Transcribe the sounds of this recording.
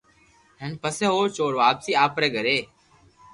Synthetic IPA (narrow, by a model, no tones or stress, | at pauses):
ɦənpəsẽːɦoːt͡ʃoːɾʋaːpsiːaːpɾɛːɡʱəɾeː